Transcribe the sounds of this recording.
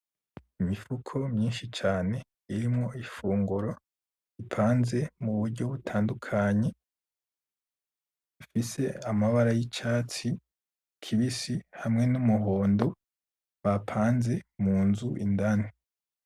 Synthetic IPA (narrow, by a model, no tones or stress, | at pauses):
imifukʰo̞mɲiːnʃit͡ʃaːne̞ | iɾimŋo̞ʔifuːŋɡuɾo̞ | ipʰaːnze̞muβuɾɟo̞βutʰaːndukʰaɲe̞ | ifise̞amaβaɾajit͡ʃaːt͡si | kʰiβisihamŋe̞numuɦo̞ːndo | βapʰaːnze̞muːnzuʔḭndane